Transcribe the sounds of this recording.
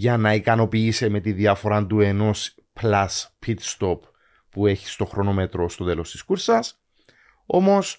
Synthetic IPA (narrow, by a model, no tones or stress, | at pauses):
ʝɐnɐikɐno̞piːse̞me̞t̪inðiɐfo̞ɾɐnd̪ue̞no̞s | plɐspʰit̪st̪o̞pː | ueçi̥st̪o̞xɾo̞no̞me̞t̪ɾo̞st̪o̞t̪e̞lost̪i̥skuɾsɐs | o̞mo̞s